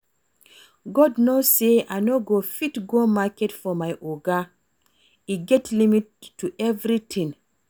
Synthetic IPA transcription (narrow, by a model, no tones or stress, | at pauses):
ɡɔdnoseajnoɡofitɡomakɛtfɔmajʔoɡa | iɡɛtʰlimittːuʔɛvɾitʰĩŋ